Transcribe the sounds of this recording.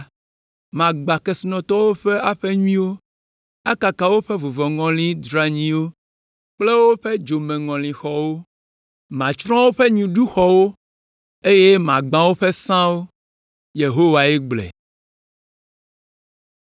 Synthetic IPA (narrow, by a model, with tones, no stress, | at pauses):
mã˨ɡ͡ba˨ke˨su˨nɔ̃˨t̪ɔ˦wo˦ɸe˦a˦ɸe˦ɲu˦ĩ˦wo˦ | a˦ka˨ka˨wo˦ɸe˦vo˨vɔ˨ŋɔ̃˨lĩ˦d̪ɾa˨ɲĩ˦wo˦ | k͡ple˦wo˦ɸe˦d͡ʒo˨mẽ˨ŋɔ̃˨lĩ˨xɔ˨wo˦ | mã˨t͡ʃɾɔ̃˦wo˦ɸe˦ɲũ˨ɖu˦xɔ˨wo˦ | e˦je˦mã˨ɡ͡bã˨wo˦ɸe˦sã˦wo˦ | je˨ɦo˦wa˨e˦ɡ͡blḛ˨